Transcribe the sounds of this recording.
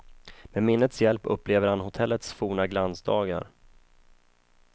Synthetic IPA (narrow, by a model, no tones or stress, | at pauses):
mɛmɪnːət̪sjɛlpɵ̰pːleːvəɾhanhʊt̪ʰɛlːət̪sfuːɳaɡlansd̪ɑːɡa̰ɾ